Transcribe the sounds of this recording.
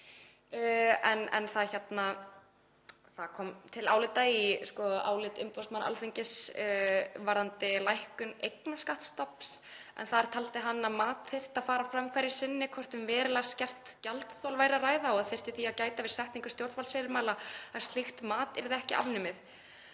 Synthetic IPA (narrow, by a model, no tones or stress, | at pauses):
ɛnɛ̰nθaðçɛt̪na | θaðkʰɔːmt̪ʰɪla̰ːwlɪt̪aiskɔa̰ːwlɪt̪ʏmpɔwsmanʔa̰lθeɲcɪs | vaɾðant̪ɪlajhkʏnejknaskaht̪st̪ɔpsɛ̰nθaðɛɾ̥t̪ʰalt̪ɪɦanːamaːt̪θejr̥t̪aðfaːɾafɾamkʰajɾɪ̥sɪnːɪkʰvɔr̥t̪ʏmvɛːɾɪlascɛr̥t̪calt̪θɔlvaːjɾaraːjðaɔaðθɛr̥t̪ɪθiaðcaːjt̪avɪɾ̥sɛht̪niŋkʏ̥st̪jowɾt̪valsvɛːɾɪɾmaːlaḁst̪lɪxt̪maːt̪ɛɾðɪɛhcɪʔa̰vnʏmɪð